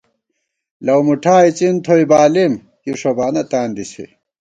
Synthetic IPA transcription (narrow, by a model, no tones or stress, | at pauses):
lɐwmuʈʰaːit͡ɕint̪ʰojbaːlim | juʂobaːnɐt̪aːnd̪isʰḛ